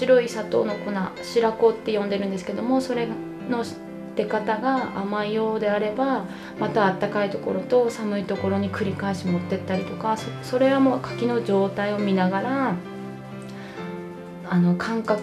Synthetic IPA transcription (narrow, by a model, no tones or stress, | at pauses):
iɾo̞isat̪o̞̰ːno̞ko̞naɕiɾako̞t̪ːe̞jõ̞nd̪e̞ɾɯ̟nd̪esɨ̥ke̞d̪o̞mo̞so̞ɾe̞ | no̞ | t̪e̞kat̪aɡaamaijo̞ːd̪e̞aɾe̞ba | mat̪aːt̪ːakait̪o̞ko̞ɾo̞t̪o̞samɯ̟it̪o̞ko̞ɾo̞ɲ̟ikɯ̟ɾʲikaeɕimo̞t̪ːe̞t̪ːaɾʲit̪o̞kasoso̞ɾe̞βamo̞ːkʰḁkʲino̞d͡ʑo̞ːt̪aio̞mʲinaɡaɾa | ano̞kʰãŋkak